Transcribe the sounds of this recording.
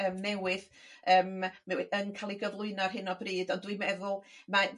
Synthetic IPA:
əːmnɛwɨð | əːmnɛwənkʰalˠiɡəvlˠʊɨnɔrɦɪnɔbriːdɔndwimɛðʊlˠma

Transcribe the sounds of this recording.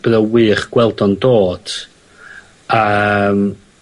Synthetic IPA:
b̥ɾəwɨːχɡ̥wɛlˠdɔndoːd̥ | əm

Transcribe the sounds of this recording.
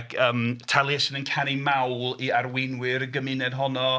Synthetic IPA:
ɡəːmtʰalˠɪsənənkʰanimawlˠiaɾwɪnwɪɾəɡəmɪnɛd̥ɦɔnɔ

